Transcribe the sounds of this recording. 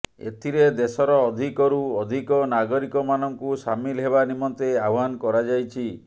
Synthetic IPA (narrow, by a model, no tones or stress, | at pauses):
ḛt̪ʰiɾed̪esɔɾɔːd̪ʱikɔɾuɔd̪ʱikɔnaɡɔɾikɔmanɔŋkusamilɦeβanimɔnt̪eawɦankɔɾad͡ʒajt͡ʃʰi